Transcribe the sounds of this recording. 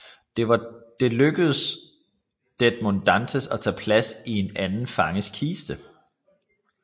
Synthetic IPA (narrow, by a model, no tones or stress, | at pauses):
d̥eɑd̥e̝løɡ̥əð̩ˠəs | d̥ed̥̚mond̥ænsəsɒt͡sʰɛ̰ːpʰlæsie̝nænn̩fɑ̈ŋəskʰiːsd̥ə